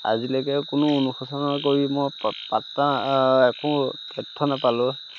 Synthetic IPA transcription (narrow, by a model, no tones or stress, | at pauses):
a̰zilɔkɛkʊnʊonuxɔsɔnakoɹimɔjpatːaɛkʊ̃kɛtʰːɔnapalʊ